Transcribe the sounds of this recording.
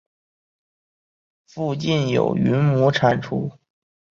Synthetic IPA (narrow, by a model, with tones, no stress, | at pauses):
fu˥˧t͡ɕi˥˩njo̰˨˩ʊy˧˥nmu˧˥ʈ͡ʂʰa˨˩nʈ͡ʂʰu˥